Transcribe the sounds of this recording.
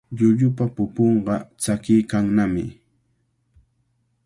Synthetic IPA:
ʎʊʎʊpapʊpoɴɢɑt͡sakɪjkaŋnamɪ

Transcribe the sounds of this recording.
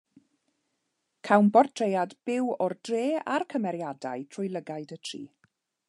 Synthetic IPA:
kʰawnbɔrtʰrejadb̥ɪwɔrd̥reːa̰rkʰəmɛɾjada̰ɨtʰrʊjlˠəɡaɨdətʰrḭː

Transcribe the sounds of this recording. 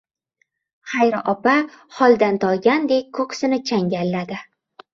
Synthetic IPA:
χajɾɪʔɒpaχɒlˠd̪ant̪ʰɒɡʲand̪e̞kʲkʰoqsɪnɪt͡ʃʰaŋɡʲalːad̪ɪ

